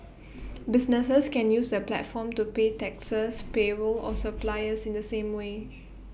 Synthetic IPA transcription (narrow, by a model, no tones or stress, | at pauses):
bisnəsəskɛ̃njusdəplɛ̰tfɔ̃mtupetɛksəspebəlɔ̰səplaɪəsĩndəsẽmwe